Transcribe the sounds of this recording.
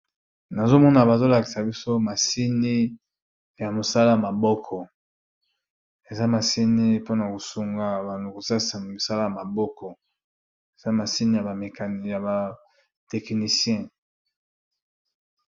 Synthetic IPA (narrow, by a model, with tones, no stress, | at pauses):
na˨zo˦mɔ˦na˨ba˨zo˦la˨ki̥˨sa˨bi˦so˦ma˨si˦ni˦ | ja˨mo˨sa˦la˦ja˨ma˨bɔ˦kʰɔ˨ | e˨za˦ma˨si˦ni˦po˦na˨ko˨su˨ŋɡa˨ba˨nu˨ko˨sa˦˨sa˨mi˨sa˦la˦ja˨ma˨bɔ˦kʰɔ˨ | e˨za˦ma˨si˦ni˦ja˨ba˨me˨ka˨ja˨ba˨ | tɛ˨kni˨sjɛ̃˦